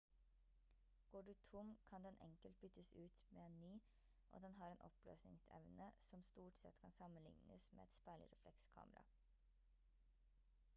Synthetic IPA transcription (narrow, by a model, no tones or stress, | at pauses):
ɡ̥oːɖʉːt̪ʰʊmkʰɑnd̪ɛnʔɛ̰ŋkəlt̪̚bʏt̪əsʉːt̪meːeːnnyː | ʔo̰ːd̪ɛnɦɑːɾeːnʔɔplø̰ːsnɪ̰ŋsɛ̰ʋnəsɔmst̪uːʈsɛt̪kʰɑnsɑmənlɪ̰ŋnəsmḛːɛt̪spæɪɭɪ̰ɾɛflɛkskʰɑ̰ːməɾɑ̰